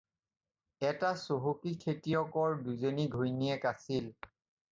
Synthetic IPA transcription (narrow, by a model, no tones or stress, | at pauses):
ɛtasoɦokikʰetijɔkɔɹduzoniɡʱojniɛkasil